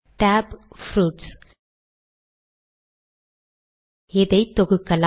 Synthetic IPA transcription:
ʈaːbfɾuːʈs | ɛðɐɪt̪ːɔɣɯkːɐl

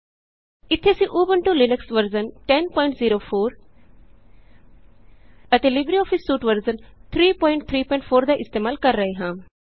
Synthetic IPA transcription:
ɪt̪ʰːesĩʔoːbənʈulɪnəksʋəɾzənʈɛ̃npɔ̃ːɪ̃ɳʈziːɾoːfʰoːɾ | ət̪elɪbɾiɔːfʰisːuːʈʋəɾzənt̪ʰɾiːpɔ̃ːɪ̃ɳʈ̚t̪ʰɾiːpɔ̃ɪɳʈfʰoːɾd̪aʔɪst̪eːmaːlkɐɾːɐɦeɦãː

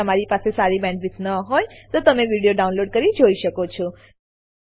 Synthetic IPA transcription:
əmaɾipasesaɾibɛ̃ɳɖʋitnəɦojt̪ot̪əmeʋiɽijoɖaunloɖkəɾid͡ʒoiʃəkot͡ʃʰɔ

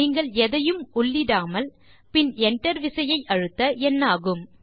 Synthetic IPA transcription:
iːŋɡɐɭɛðɐjɯmʊɭːɪɽaːmɐl | pɪnɛɳʈɐɾʋɪsɐjɐɪʔɐɻɯt̪ːɐʔɛnːaːɣɯm

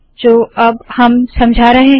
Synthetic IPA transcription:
d͡ʒoːɐbhɐmsɐ̃md͡ʒʱaːɾɐɦẽ

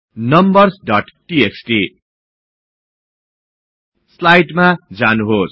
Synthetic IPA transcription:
nʌmbʌrsɖʌʈʈieksʈi | slajʈmad͡zanuɦos

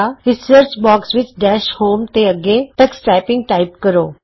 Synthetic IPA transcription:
aɾɪsəɾt͡ʃbɔːksʋɪt͡ʃɖɛːʃhoːmt̪eəɡet̪əksʈɾaɪpɪ̃ŋɡ̚ʈaɪpkəɾoː

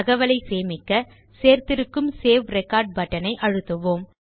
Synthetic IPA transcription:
ɐɣɐʋɐlɐɪseːmɪkːɐ | seːɾt̪ɪɾɯkːɯmseːʋɾɛkːaːɾɖ̚bɐʈːɐnɐɪʔɐɻɯt̪ːɯʋoːm

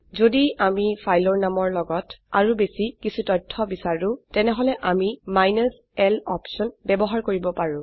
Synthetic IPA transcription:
zodiamipʰajlɔɹnamɔɹlɔɡɔtaɹubesikisʰutɔjtʰːɔbisaɹʊ̃tɛnɛɦɔlɛʔamimajnɔs | ɛlɔpsɔnbɛbɔɦaɹkoɹibɔpaɹʊ̃

